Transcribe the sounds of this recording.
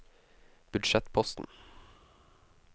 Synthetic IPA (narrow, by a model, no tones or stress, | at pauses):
b̥ʉd̪ʃɛt̪pʰɔst̪n̩